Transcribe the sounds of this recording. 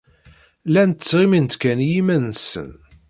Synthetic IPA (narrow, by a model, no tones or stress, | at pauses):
lænt̪ə̥t͡sːʁimint̪kænjimænsə̰n